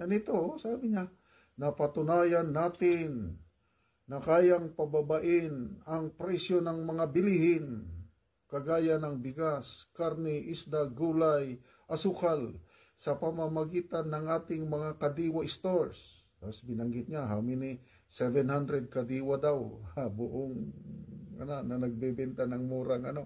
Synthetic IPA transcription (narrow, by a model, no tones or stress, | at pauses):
ɐnɪt̪osaːbɪɲa | nɐpɐt̪ʊnaːjanːaːt̪ɪnː | ɐkaːjaŋpɐbabaʔɪnɐŋpɾɛsjonɐŋmɐŋabɪlihɪn | kɐɡaːjanɐŋbɪɡaskaɾnɛʔɪsd̪aɡuːlaj | ʔɐsukal | sɐpɐmɐmɐɡiːt̪anːɐŋʔaːt̪ɪŋmɐŋakɐd̪iːwaɪst̪oɹs | t̪asbɪnɐŋɡɪt̪̚ɲaɦaːmɪnɪ | sɛvɛnhand̪ɾɛd̪̚kɐd̪iːwad̪awabʊʔoŋ | ɐ̰nanɐnɐɡ̚bɛbɛnt̪anɐŋmuːɾaŋɐno̞